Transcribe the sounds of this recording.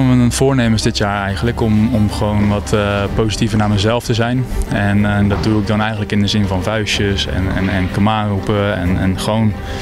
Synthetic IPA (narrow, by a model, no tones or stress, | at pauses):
əənənv̥ʊːɹneːməsdɪtjaːɹɛjɣənləkɔmɔmχəʋownʋɔtʰpowzitivənaːməzɛlˠftəzɛjnɛndɔt̚duɪk̚dɔnɛjxəntləkɪndəzɪnvɑnvœɥsjəsɛ̰nɛ̰nɛnkəmaːrupəɛnɛnχəʋown